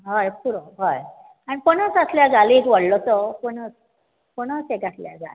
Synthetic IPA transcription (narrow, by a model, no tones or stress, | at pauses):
ɦajpuɾɔɦaj | aɽ̃ipəɳ̃ət͡sasljad͡zalekʋəɽlɔt̪ɔpəɳət͡s | pəɳ̃ət͡sekɡʱaʈljad͡za̰l